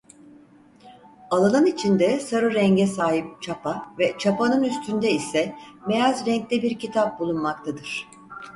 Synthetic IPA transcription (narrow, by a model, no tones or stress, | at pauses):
alˠalˠanit͡ʃʰind̪ɛsaɾɯɾɛɲɟɛsaːɦip̚t͡ʃʰapʰavɛt͡ʃʰapanɯnyst̪ʰynd̪ɛisɛmejazɾɛɲclʲɛbiɾcit̪ʰap̚bulˠunmak̚t̪ʰad̪ɯɾ̥